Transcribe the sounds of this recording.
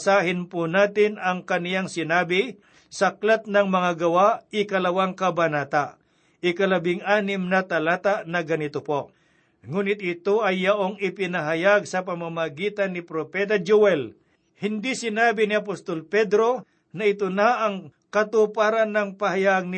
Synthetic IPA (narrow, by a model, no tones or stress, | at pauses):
saːɦɪnpʊnaːt̪ɪnɐŋkɐnɪjaŋsɪnaːbɪ | sɐklat̪̚nɐŋmɐŋaɡɐwaʔʔɪkɐlɐwaŋkɐbɐnaːt̪aʔ | ʔɪkɐlɐbɪŋaːnɪmnɐt̪ɐlaːt̪aʔnɐɡɐnɪt̪opo | ŋuːnɪt̪̚ɪt̪oʔɐjːɐʔoŋɪpɪnɐɦɐjaɡ̚sɐpɐmamɐɡiːt̪ɐnːɪpɾopɛːt̪̬ad͡ʒuwɛl | hɪnd̪isɪnaːbɪnɪɐpost̪olpɛd̪ɾo̞ | nɐɪt̪onaʔɐŋ | kɐt̪upaɾɐnɐŋpɐhajaɡ̚nɪ